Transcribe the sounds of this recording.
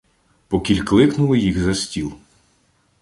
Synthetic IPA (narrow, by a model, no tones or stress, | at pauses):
pɔkʲilʲklˠɪknʊlˠɪjixzɐsʲtʲilˠ